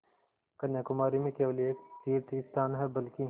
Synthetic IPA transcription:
kɐnjakʊmaːɾimẽkeʋɐlieːkt̪iːɾt̪ist̪aːnɦɛbɐlki

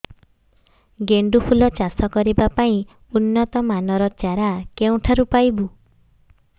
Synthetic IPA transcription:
ɡeɳɖupʰulɔt͡ʃasɔkɔɾibapaĩ | unːɔt̪ɔmanɔɾɔt͡ʃaɾakeũʈʰaɾupajbu

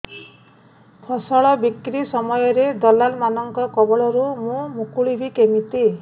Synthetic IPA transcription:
pʰɔsɔɭɔbikɾisɔmɔjɔɾed̪ɔlalmanɔŋkɔkɔbɔɭɔɾumũmukuɭibʱikemit̪i

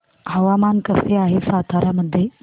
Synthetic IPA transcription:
ɦɐʋamankəseaːɦesaːt̪ʰaɾaməd̪ʱːje

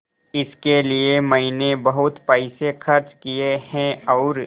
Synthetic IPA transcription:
ɪskeliemɐɦinebɐɦʊt̪paɪsexɐɾt͡ʃkieɦɛ̃ɔːɾ

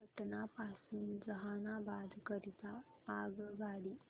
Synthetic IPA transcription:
əʈnapasuːnd͡zəɦanabad̪ʱkəɾit̪aːɡʋaɽi

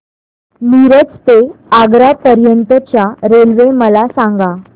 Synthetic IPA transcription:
niɾət͡st̪eaɡɾapəɾjənt̪ət͡ɕjaɾelʋeməlasaŋɡa

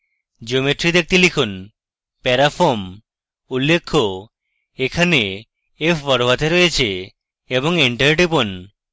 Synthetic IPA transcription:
d͡ʑeomeʈɾid̪ek̚t̪ilikʰun | pɛɾafʰoɾm | ulːekʰːo | ekʰane | efʰbɔɾobat̪ʰeɾojet͡ɕʰe | eboŋiɳʈəɾʈipon

